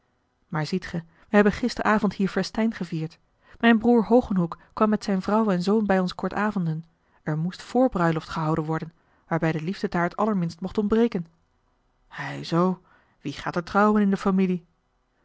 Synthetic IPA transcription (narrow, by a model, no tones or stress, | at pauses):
maːɹzitχə | ʋəɦɛbənχɪstərʔaːvɔnthiːɹfɛstɛjnχəviːɹt | mɛjnbruːɹɦowχənɦukː | ʋɑmːɛtsɛjnvrɑwɛnzownbɛjɔnskɔɹtaːvɔndən | ɛɹmustfʊːɹbrœɥlɔftχəɦɑwdənʋɔɹdən | ʋaːɹbɛjdəlivdədaːɹtɑləɹmɪnstmɔχtɔmbrejkən | hɛjzow | ʋiχa̰ːtəɹtrɑwənɪndəfamili